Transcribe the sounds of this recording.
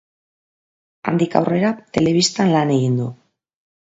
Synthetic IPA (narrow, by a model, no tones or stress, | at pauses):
a̰nd̪ika̰wre̞ɾat̪e̞le̞β̞ist̪anlane̞ɣind̪u